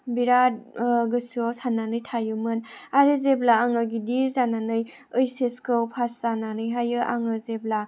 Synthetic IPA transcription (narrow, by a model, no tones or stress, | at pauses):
biɾat̚ɡɯsɔsanːanɯjtʰajɯmɯnaɾizeblaːŋaɡidizananɯj | ɯjseskʰɯwpʰaszananɯjɦajɯʔaŋɯzebla